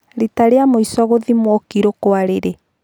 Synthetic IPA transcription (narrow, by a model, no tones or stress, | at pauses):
ɾitaɾeamoisɔɣoðimwɔkiɾokoaɾeɾe